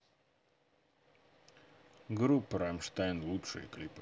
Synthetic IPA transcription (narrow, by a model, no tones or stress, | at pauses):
ɡɾupːɾamʂt̪ajnlˠutʂɨ̰jə̰klʲipɨ̥